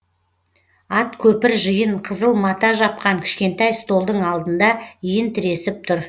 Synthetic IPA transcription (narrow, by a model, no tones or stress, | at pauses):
ɑt̪kʲʰɵpɪɾʒəjəɴqʰəzəlˠmɑt̪ɑʒɑp̚qɑŋkʲʰɪ̥ʃkʲe̞nt̪ɑjst̪o̞lˠd̪əɴɑlˠd̪ənd̪ɑijɪnt̪ʰɪɾe̞sɪp̚t̪ʰʊɾ